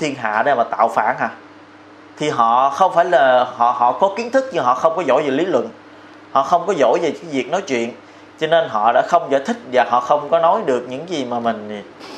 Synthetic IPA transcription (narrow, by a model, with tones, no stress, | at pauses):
t̪ʰi˧ənɦa̰ː˧˨ɗe˧maː˨˩t̪a̰ː˧˨wfaː˧˩nɦaː˨˩ | t̪ʰi˨˩ɦɔ̰˧˨xə˧wŋ͡mfaː˧˩jlaː˨˩hɔ̰˧˨ɦɔ̰˧˨kɔ˨˦ki˨˦ənt̪ʰɨ˦˥k̚ɲɨ˧ŋɦɔ̰˧˨xə˧wŋ͡mkɔ˨˦zo̰˧˥jve˨˩li˨˦lwə̰˧˨n | hɔ̰˧˨xə˧wŋ͡mkɔ˨˦zo̰˧˥˨jve˨˩aː˨˦jvi˨˩k̚nɔ˨˦jt͡ɕwḭ˧˨ən | t͡ɕɔ˧ne˧nɦɔ̰˧˨ɗa̰ː˧˥xə˧wŋ͡mzaː˧˨jt̪ʰï˦˥k̟̚vaː˨˩ɦɔ̰˧˨xə˧wŋ͡mkɔ˨˦nɔ˨˦jɗɨ˨˩ək̚ɲɨ̰˧˥ŋzi˨˩maː˨˩mï˨˩ŋ̟˨˩